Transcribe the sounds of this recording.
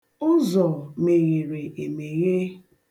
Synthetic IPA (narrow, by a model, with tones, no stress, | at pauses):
ʊ˦zɔ˨me˨ɣi˨ɾe˨ʔe˨me˨ɣe˦